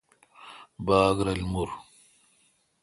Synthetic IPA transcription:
baːɡɾɐlmuɾ

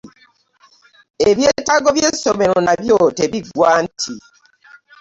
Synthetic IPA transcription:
eβjeːtaɡo̞βje̞so̞me̞ɾo̞naβjoteβiɡwaːntʰi

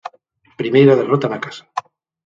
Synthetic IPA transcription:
pɾimejɾað̞erot̪anakḁsḁ

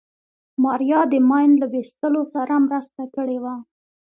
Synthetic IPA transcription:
mɑɾjɑd̪əmɑjnlawest̪əlosaɾamɾəst̪akəɽewa

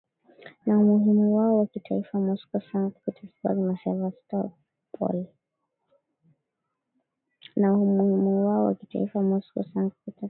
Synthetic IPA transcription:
naumuɦimuwaɔwakitʰaifamɔskɔsaŋupitʰaska̰limaʃavastɔ | pʰɔ̰l | naumuhimuwaɔwa̰kita̰ifamɔskɔ̰saŋkupita

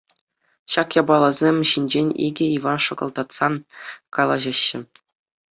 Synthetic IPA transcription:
ɕɑkjɑbɑlˠɤzʲemʲɕinʲd͡ʑenʲḭɡʲɘ̆iʋɑnʂɤ̆ɡɤ̆lˠd̪ɑt̪sɑnkɑlˠɑʑɑɕːɘ̆

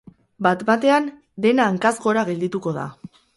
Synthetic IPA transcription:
bat̪bat̪e̞an | d̪e̞naːŋkazɣo̞ɾaɣe̞ld̪it̪uko̞ð̞a̰

